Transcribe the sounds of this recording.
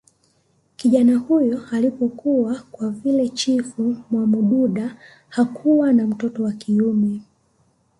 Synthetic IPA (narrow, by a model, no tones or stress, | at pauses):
kiʄanahujɔalipɔkuwakwavilɛt͡ʃifumwamuɗuɗa | hakʰuwanam̩tɔtɔwakʰiumɛ